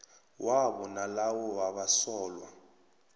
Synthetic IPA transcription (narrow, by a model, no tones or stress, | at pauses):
wʔaɓɔnalawɔwaɓasɔːlwa̰